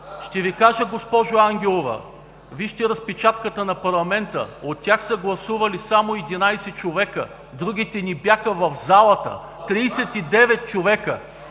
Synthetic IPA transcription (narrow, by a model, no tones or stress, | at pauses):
ʃt̪ɛvikaʒəɡospɔʒoaŋɡʲɛlˠovɐ̰ | viʃt̪ɛɾɐspɛt͡ʃat̪kət̪ənɐpɐɾlˠɐmɛnt̪ə̰ot̪ʲːjaxsəɡlˠɐsuvɐlisamoɛd̪inajsɛt͡ʃovɛkə | d̪ɾuɡ̟ʲit̪ɛnibjaxəvɐfzalˠɐt̪ə̰ | t̪ɾiːsɛt̪id̪ɛvɛt̪̚t͡ʃovɛkə